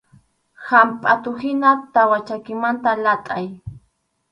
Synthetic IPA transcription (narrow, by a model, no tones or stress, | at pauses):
hampʼat̪ʊhɪnat̪awat͡ʃakɪmant̪alat̪ʼaj